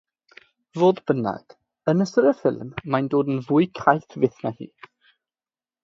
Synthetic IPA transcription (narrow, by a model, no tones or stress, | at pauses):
voːdbəna̰ɡ̥ | ənəsəɾəfɪ̰lˠmːajndoːdnvʊːɨkʰajθvɪθnahḭː